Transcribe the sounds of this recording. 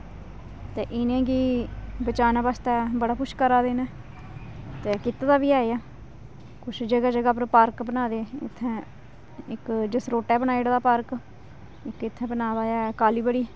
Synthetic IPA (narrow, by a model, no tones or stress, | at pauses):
t̪eːʔɪnẽːɡiːbət͡ʃaːnaːbaːst̪ɛːbəɽaːpʊʃkəɾaːd̪eːnɛː | t̪eːkɪt̪aːd̪aːbiːaːeaː | kʊt͡ʃʰd͡ʒəɡaːd͡ʒəɡaːpəɾpaːɾkbənaːd̪eːɪ̰t̪ʰːɛ̃ː | ɪkd͡ʒəsɾoːʈɛːbənaːiɽd̪aːpaːɾk | ɪkɪt̪ʰːɛ̃ːbənaːd̪aːaːkaːliːbəɽiː